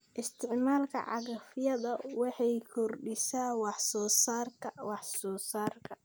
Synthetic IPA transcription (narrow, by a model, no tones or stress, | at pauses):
ʔɪst̪ʰɪʕmaːlkʰɐ̰ʕɑ̰ɣɐfɪjɐðɐwɑħɑjkʰɔrɖɪsaːwɑħsɔːsaːrkʰɐwɑħsɔːsaːrkʰɐ